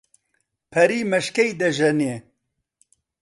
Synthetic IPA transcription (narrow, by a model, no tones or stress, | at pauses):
pʰɐɾiːmɐʃkejd̪ɐʒɐneː